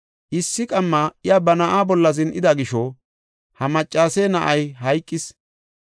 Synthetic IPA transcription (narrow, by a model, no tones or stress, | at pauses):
ʔɪsːɪkʼɐmːɐɪjaːbɐnɐʔaːbɔlːɐzɪnʔɪd̪ɐɡɪʃɔ | hɐmɐt͡ʃʼːaːseːnɐʔɐjɦɐjkʼːɪs